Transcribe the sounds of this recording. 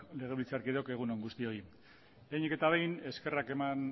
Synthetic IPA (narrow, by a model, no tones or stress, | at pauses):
le̞ɣe̞βilt͡saɾkiðo̞ke̞ɣ̞unoŋɡust̪io̞i | eɲike̞t̪aβejne̞ske̞rake̞man